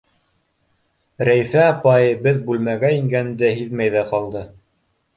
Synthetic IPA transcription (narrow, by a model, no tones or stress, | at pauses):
ɾæjfæɑpɑjɤbɘðbʉlmæɡæiŋɡænd̪æɦiðmæjðæqɑlˠd̪ɤ